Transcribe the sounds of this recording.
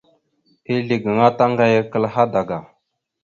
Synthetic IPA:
i˦ɮi˨ɡə˨ŋa˦ta˦ŋɡa˦jə˦kə˦lɦa˦da˨ɡa˨

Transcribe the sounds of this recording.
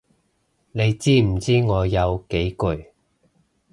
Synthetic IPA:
ne˨˧jt͡siː˥m̩˨˩t͡siː˥ŋɔː˨˧jɐ˨˧wke˨˥jkɵ˨˧ɥ

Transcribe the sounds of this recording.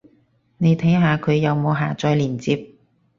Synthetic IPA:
ne˨˧jt̪ʰɐ˨˥jɦaː˨˧kʰɵ˨˧ɥjɐ˨˧wmo˨˧wɦaː˨t͡ʃɔː˧jliː˨˩nt͡siː˧p̚

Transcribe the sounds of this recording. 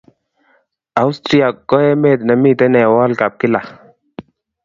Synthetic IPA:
a˦wst̪ɾia˨kːɔ˦ɛ˦me˦˨t̪na˨mi˦t̪ɛ˦nɛ˨wɔ˦lka˨p̚kɪ˦la˨

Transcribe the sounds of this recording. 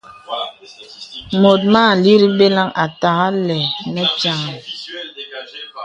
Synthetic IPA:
mo˨t̬̚maː˦˨li˦ɾi˦be˦la˦ŋa˨ta˨ɣa˦lɛ˨nɛ˦t͡ʃa˦ŋ˨

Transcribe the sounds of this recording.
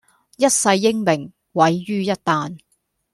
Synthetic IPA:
jɐ˥t̚sɐ˧jːɪ˥ŋmɪ˨˩ŋ | wɐ˨˥jːyː˥jɐ˥t̚t̪aː˨n

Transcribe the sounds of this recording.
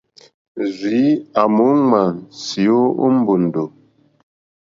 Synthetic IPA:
zi˨˦a˨mu˨˦ŋa˨nsi˨o˦ṵ˦m̩˦bu˨n̩˨do˨

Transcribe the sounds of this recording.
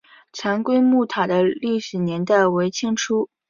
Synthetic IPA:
t͡sʰa˧˥nkwe˥ɪmu˥˩t̪ʰa˨˩d̪ə˦li˥˩ʂɻ̩˨˩njɛ˧˥nt̪a˥˩ɪwe˧˥ɪt͡ɕʰi˥ŋʈ͡ʂʰu˥

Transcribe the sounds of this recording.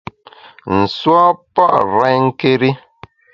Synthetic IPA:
n̩˨swa˦pa˦ʔɾɛ˨˦ŋ̩˦ke˦ɾi˦

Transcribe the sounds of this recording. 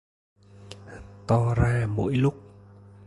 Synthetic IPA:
t̪ɔ˧zaː˧mo̰˧˥jlʊ˦˥k͡p̚

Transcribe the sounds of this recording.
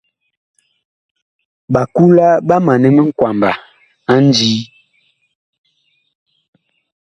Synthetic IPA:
ɓa˨ku˦la˦ba˦ma˨nɛ˦mə˦ŋ̩˦kwa˨mba˨ | a˦n̩˦d͡ʒiː˦

